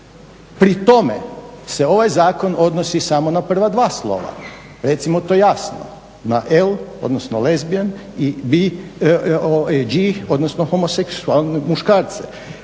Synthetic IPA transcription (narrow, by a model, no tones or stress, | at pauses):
pɾit̪o̞mḛse̞o̞ʋajzaːko̞no̞d̪nosisamo̞napr̩ʋad̪ʋaːslˠo̞̰ʋa̰ | ɾe̞t̪simot̪oːjasno̰ | naʔelo̞̰d̪nosnolezbianibi | oed͡ʒio̞d̪nosnoxomoseksualˠnemuʃkaːɾt̪se